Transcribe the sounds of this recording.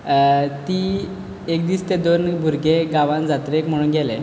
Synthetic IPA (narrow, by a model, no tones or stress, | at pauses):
t̪i | ek̚d̪iːst̪ed̪onbʱuɾɡeɡaʋãnd͡zat̪ɾekm̤əɽ̃uːnɡʱɛle